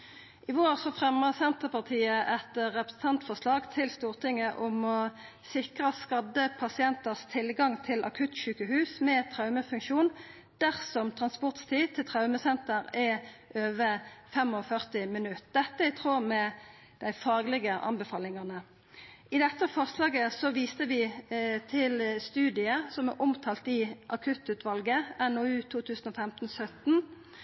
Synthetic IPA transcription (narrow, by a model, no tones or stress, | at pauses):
ʔɪʋoːʁsɔfʁɛməʁsɛnt̪əpɑʁt̪ʰiːəʔɛt̪ʁɛpɾəsn̩t̪ʰɑnt̪fɔslɑːɡt̪ʰɪlst̪uːʁt̪ʰɪŋəʔʊmɔ | sɪkʁəskɑd̪ːəpʰɑsɪɛnt̪əʁst̪ʰɪlɡɑŋt̪ʰɪlʔɑ̰kʰʉt̪ʃʉːkəɦʉːsmɛt̪ʰʁɑʉməfʉŋkʃuːn | d̪̥æʁsɔmt̪ʰʁɑnspɔʁt̪st̪ʰiːt̪ʰɪlt̪ʰʁɑʉməsɛnt̪əʁɛʔøːʋəfɛmɔfœʁt̪ɪmɪnʉt̪d̪̥ɛt̪ːəæɪt̪ʰʁoːmɛ | d̪̥æɪfɑːɡlɪɡəʔɑ̰nbɛfɑːlɪŋɑʁnə | ɪd̪ɛt̪ːəfɑʁslɑːɡəsɔʋiːst̪əʋɪt̪ʰɪlst̪ʉːd̪ɪəsɔmæʔɔmt̪ʰɑːlt̪ɪʔɑkʰʉt̪ʉːt̪ʋɑlɡəɛnoʉːt̪ʰuːt̪ʰʉːsən̩ɔfɛmt̪n̩ɔsœt̪n̩